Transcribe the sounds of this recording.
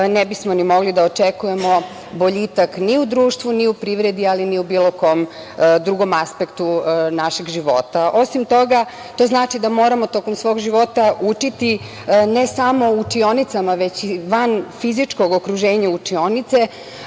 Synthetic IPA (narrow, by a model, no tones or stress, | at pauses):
nebismo̞nimo̞ɡlid̪aot͡ʃekuje̞mo̞ | bo̞ʎit̪akniud̪ɾuːʃt̪ʋuniupɾiːʋɾe̞d̪ialiniubiːlˠo̞ko̞m | d̪ɾuɡo̞maspekt̪unaʃiɡʒiʋo̞̰t̪aʔo̞simt̪o̞ɡa | t̪o̞ːznaːt͡ʃid̪amo̞ːɾamo̞t̪o̞komsʋo̞ːɡʒiʋo̞t̪aut͡ʃit̪i | ne̞samo̞ut͡ʂio̞nit̪samaʋe̞t͡ɕiʋanfizit͡ʂko̞ɡokɾuʒe̞ːɲaut͡ʂio̞nit̪se̞